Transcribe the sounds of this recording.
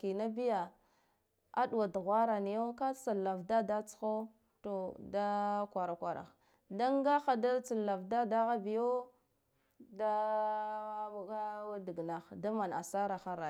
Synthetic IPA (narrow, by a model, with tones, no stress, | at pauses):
ki˨na˦bi˦ja˨ | a̰˦du˨wa˨du˨ɣʷa˦ɾa˨ni˨jo˦ka˦t͡sa˨la˨vda˦da˦t͡sə̥˨˦xa˦ | to˨da˦kʷa˨ɾa˨kʷa˨ɾa̰˨x | da˦ŋ˦ɡa˦xa˨da˦t͡sa˨la˨vda˦da˦ɣa˦bi˨jo˦ | da˦˨ | a˦di˨ɡna˨xda˦ma˨na̰˨sa˦ɾa˨xa˨ɾa˨